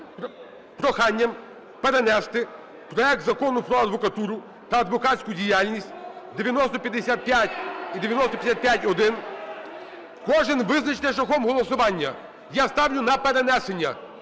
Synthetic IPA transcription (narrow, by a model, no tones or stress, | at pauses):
pɾɔxɑnʲːɐm | peɾenɛst̪ɪ | pɾɔɛk̚t̪zɐkɔnʊpɾɔɐd̪ʋɔkɐt̪uɾʊ | t̪ɐːd̪ʋɔkasʲkʊdʲijalʲnʲisʲtʲd̪eʋʲjɐnɔst̪ɔpʲjɐd̪esʲat̪̚pʲjatʲid̪eʋʲjɐnɔst̪ɔpʲjɐsʲat̪̚pʲjatʲɔd̪ɪn | kɔʒɪnʋɪznɐt͡ʃnɛʃ̬ɐxɔmɦɔlˠɔsʊʋɑnʲːɐ | jast̪ɑwlʲʊnɐpeɾenɛsenʲːɐ